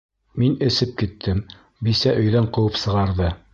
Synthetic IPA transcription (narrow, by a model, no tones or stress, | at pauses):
minɘ̆sɘp̚kit̪ʰːɘm | bisæʔɵ̆jðæɴqɤ̆wɤpsɤ̆ʁɑɾðɤ